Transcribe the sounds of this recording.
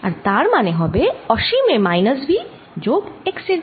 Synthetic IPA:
ɐɾt̪aːɾmaneɦɔbeɔːʃimẽmaːɪnəsbʱi | d͡ʒoːkeksɪɾ

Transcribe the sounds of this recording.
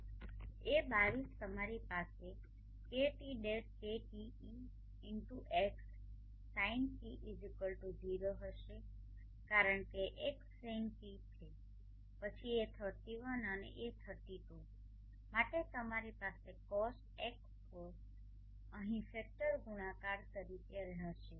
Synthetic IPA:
ebaʋist̪əmaɾipase | keʈiɖeʈ̚keʈi | i | ɪɳʈuʔeks | sainsiʔid͡ʒikəlʈud̪ʱiɾoɦəʃe | kaɾəɳkeʔekseŋɡkitʰe | pət͡ʃʰiet̪ʰət̪iʋənənḛʔet̪ʰət̪iʈ̪õ | maʈet̪əmaɾipasekɔsʈɛkspo | əɦĩfɛk̚ʈəɾɡuɽ̃ãkaɾt̪əɾikeɾeɦəʃe

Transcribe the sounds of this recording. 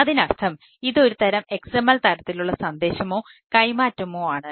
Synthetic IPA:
ɐðinɐrt̪ʰɐm | iðo̞ɾut̪ɐɾɐmekseːmːɐlt̪ɐɾɐt̪ːiluɭːɐsɐnd̪e̞ːɕɐmo̞ːkɐjmaːtːɐmoːaːɳɨ

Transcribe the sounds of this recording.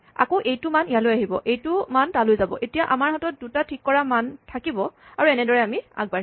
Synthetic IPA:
a̰koʔejtʊmanijalojaɦibɔ̰ʔejtʊmantalojzabɔ̰ʔetijaʔamaɹɦatɔt̚dutatʰikːɔɹamantʰakibɔaɹuɛnɛdɔɹɛamia̰ɡ̚ba

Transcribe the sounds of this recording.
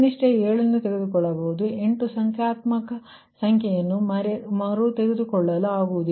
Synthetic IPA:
niʂʈeeːɭɐnːut̪eɡed̪ukɔɭːɐbɐɦud̪ue̞ɳʈusɐŋkʰjaːt̪mɐkɐ | sɐŋkʰjɛjɐnːumɐmɐɾut̪eɡed̪ukɔɭːɐlɐaːɡuʋud̪i

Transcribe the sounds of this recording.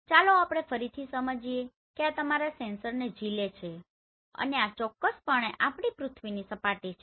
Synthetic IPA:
t͡ʃaloapɽ̃efəɾit̪ʰisəməd͡ʒie | keat̪əmaɾasẽnsəɾned͡ʒilet͡ʃʰe | ə̰neat͡ʃɔkːəspəɳ̃eʔapɽipɾʊt̪ʰʋinisəpaʈit͡ʃʰe

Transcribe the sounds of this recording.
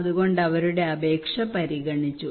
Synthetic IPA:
ðuɣo̞ɳɖɐʋɐɾuɽe̞ɐbe̞ːkʂɐpɐɾiɣɐɳit͡ɕːu

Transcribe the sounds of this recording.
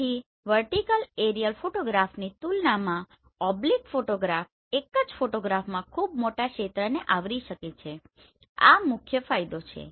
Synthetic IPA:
i | ʋəɾʈikəleɾijəlfoʈoɡɾafnit̪ulnamã | ɔblikfoʈoɡɾaf | ekəd͡ʒfoʈoɡɾafmãkʰubmoʈakʃet̪ɾəneʔaʋɾiʃəket͡ʃʰe | a̰mʊkʰjəfajd̪ot͡ʃʰḛ

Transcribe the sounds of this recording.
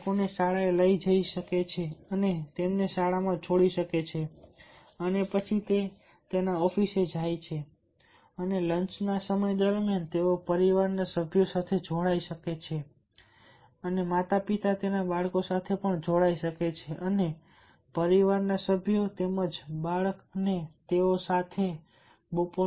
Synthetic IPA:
koneʃaɭaeləid͡ʒəiʃəket͡ʃʰeənet̪emneʃaɭamãt͡ʃʰoɽiʃəket͡ʃʰe | ənepət͡ʃʰit̪e | t̪enaɔfised͡ʒʱajt͡ʃʰe | ənelənt͡ʃnasəməjd̪əɾmjant̪eopəɾiʋaɾnasəbʱjosat̪ʰed͡ʒʱoɽaiʃəket͡ʃʰe | ənemat̪apit̪at̪enabaɭkosat̪ʰepəɳd͡ʒʱoɽaiʃəket͡ʃʰeʔəne | pəɾiʋaɾnasəbʱjot̪eməd͡ʒbaɭəkənet̪eosat̪ʰe | bopo

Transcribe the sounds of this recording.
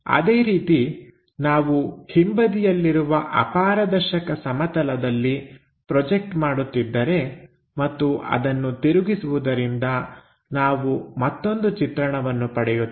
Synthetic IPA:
ɐ̰d̪eːɾiːt̪i | naːʋuhimbɐd̪ijɐlːiɾuʋɐʔɐ̰paːɾɐd̪ɐɾʃɐkɐsɐmɐt̪ɐlɐd̪ɐlːi | pɾɔd͡ʒek̚ʈmaːɽut̪ːid̪ːɐɾe̞ | mɐt̪ːuʔɐ̰d̪ɐnːut̪iɾuɡisuʋud̪ɐɾind̪ɐ | naːʋumɐt̪ːo̞nd̪ut͡ʃit̪ɾɐɳɐʋɐnːupɐɽɛju

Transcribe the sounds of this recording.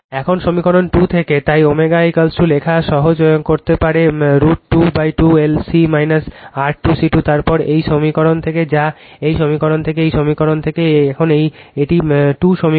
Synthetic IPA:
ɛkʰonʃomikɔɽonʈut̪ʰeket̪ajomeɡajkalsulekʰaʃɔɦod͡ʑojonkoɾt̪epaɾeɾuʈ̚ʈubajʈuelsimajnasaɾʈ̚ːusiʈut̪aɾpɔɾejʃomikɔɾont̪ʰeked͡ʑaejʃomikɔɽont̪ʰek̬eejʃomikɔɾont̪ʰekeɛkʰonejeʈiʈuʃomi

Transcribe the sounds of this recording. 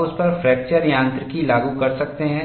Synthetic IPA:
ʊspɐɾfɾɛːk̚t͡ʃəɾjãːnt̪ɾəkilaːɡukɐɾsɐk̚t̪eɦɛ̃

